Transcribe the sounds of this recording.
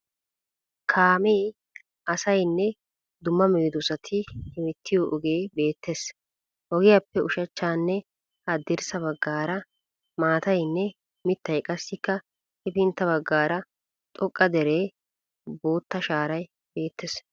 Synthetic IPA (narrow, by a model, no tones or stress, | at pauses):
kʰaːmeː | ʔɐsɐjnːɛ | d̪ʊmːɐmeːd̪ʊsɐt̪ʰɪhɪmɪt̪ʰːɪjoʔɔɡeːbe̞ːt̪ʰːes | ʔɔɡɪjɐpːɛʔʊʃɐt͡ʃːaːnːɛ | hɐd̪ːɪɾsɐbɐɡːaːɾɐ | maːt̪ɐjnːɛ | mɪt̪ːɐjkʼɐsːɪkːɐ | hɛpɪnt̪ːɐbɐɡːaːɾɐ | t̪ʼɔkʼːɐd̪ɛɾeː | boːt̪ːɐʃaːɾɐj | b̥e̞ːt̪ːes